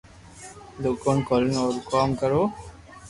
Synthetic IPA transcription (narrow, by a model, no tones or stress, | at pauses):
d̪okonkɔlənɔːɾkɔːmkəɾoː